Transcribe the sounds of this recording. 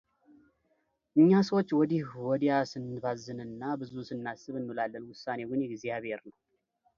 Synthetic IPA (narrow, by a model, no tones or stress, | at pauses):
ʔɨɲːasəwot͡ʃːwɔd̪ihwɔd̪ijasɨnːɨbazːɨnɨnːabɨzusɨnːasːɨβɨnːulalːənwʊsːane̞ɡɨnjɛɡzijaβhe̞ɾnəw